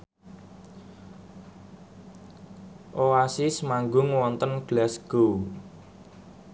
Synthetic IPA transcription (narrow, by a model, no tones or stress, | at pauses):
ʔoasismaŋɡʊŋwɔnt̪ənɡ̥lasɡ̥o